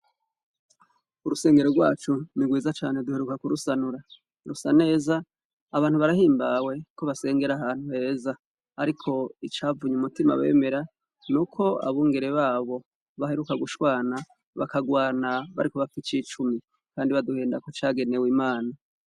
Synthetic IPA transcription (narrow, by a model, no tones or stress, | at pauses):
uɾuse̞ːŋɡe̞ɾoɾɡwaːt͡ʃuniɡwiːzat͡ʃa̰ːne̞duheɾukakuɾusanuɾa | ɾusane̞ːzaː | βaːn̥huβaɾahiːmbawe̞ko̞βase̞ːŋɡe̞ɾahaːn̥huhe̞ːza | aɾikʰo̞it͡ʃaːvuɲumutima̰βe̞̰ːme̞ɾa | nukʰo̞a̰βuːŋɡe̞ɾe̞βaːβo̞ | βahe̞ɾukaɡuʃwaːna | βa̰kaɡwaːnaβa̰ɾiko̞βakit͡ʃit͡ʃumi | kaːndiβaduhe̞ːndakot͡ʃaɡe̞ne̞wiːmaːna